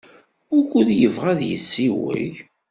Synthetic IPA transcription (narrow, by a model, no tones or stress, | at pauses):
ʊɾkʷʊðjəvʁæðjə̰sːiwə̰ʝ